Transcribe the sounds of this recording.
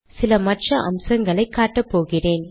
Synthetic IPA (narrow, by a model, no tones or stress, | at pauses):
sɪlɐmɐʈrɐʔɐ̰msɐŋɡɐɭɐɪkːaːʈːɐpːoːɣɪreːn